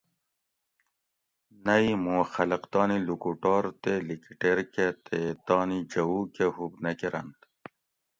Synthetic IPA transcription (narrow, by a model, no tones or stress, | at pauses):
nɐjmuxɐlɐqt̪ɑːnilukuʈɑːɾt̪elikiʈeɾket̪et̪ɑːnid͡ʑɐwukehubnɐkiɾɐ̰nt̪